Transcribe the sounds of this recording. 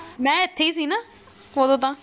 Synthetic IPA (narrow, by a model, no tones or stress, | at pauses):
mɛ̃ːɪt̪ʰːeiːs̬iːnaː | oːd̪õːt̪ãː